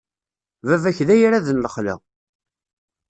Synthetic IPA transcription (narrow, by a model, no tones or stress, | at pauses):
vævæçðæjɾæðənləχlæ̰